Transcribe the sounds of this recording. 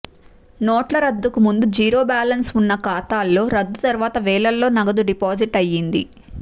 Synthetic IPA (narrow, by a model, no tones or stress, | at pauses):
noːʈlɐɾɐd̪ːukumund̪ud͡ʒiːɾo̞ːbaːlɐnsunːɐkaːt̪aːlːo̞ːɾɐd̪ːut̪ɐɾuʋaːt̪ɐʋɛːɭɐlːo̞ːnɐɡɐd̪uɖipaːsiʈɐjːind̪ḭ